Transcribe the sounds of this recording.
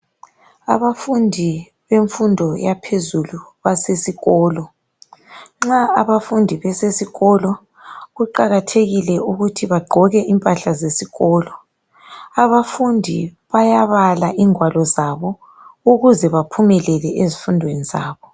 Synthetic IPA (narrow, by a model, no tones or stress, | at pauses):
aβafundʱi | βeɱfundʱɔjapʰezuluβasesiɣɔːlɔ | ŋ͡ǁaaβafundʱiβɛsesiɣɔlɔ | ɣuǃaɣatʰeɣilɛʔuɣutʰiβaɡ͡ǃʱɔɣɛʔimpʼaɬazesiɣɔːlɔ | aβafundʱi | βajaβalaʔiŋwalɔzaβɔ | uɣuzɛβapʰumɛlɛlɛʔezifundʱweniza̰ːβɔ